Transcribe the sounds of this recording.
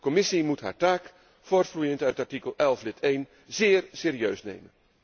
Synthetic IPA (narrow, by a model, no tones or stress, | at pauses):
kɔmɪsimutɦa̰ːɹtaːk | foːɹtflujəntœɥtɑɹtikəlˠɛlˠflɪtʰejn | zɪːɹseːɾiøɥsnḛjmən